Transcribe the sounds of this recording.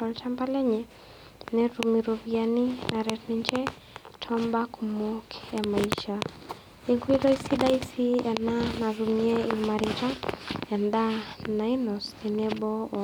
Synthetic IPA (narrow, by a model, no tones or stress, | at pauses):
ɔltampalɛɲɛ | nɛɾumiɾɔvjaninaɾɛtnɛɲt͡ʃɛ | tʰɔmbakʰumɔkjamaiʃa | iŋkwiɾɔisiɗaisiananaɾumiɛimaɾitaɛndanainɔsɛnɛɓɔ